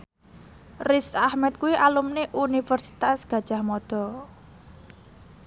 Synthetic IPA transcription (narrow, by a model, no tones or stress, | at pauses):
risahmɛt̪̚kuwiʔalumneʔunifərsi̥t̪asɡ̥ä̤d̥ʒ̥ahmɔd̪̥ɔ̤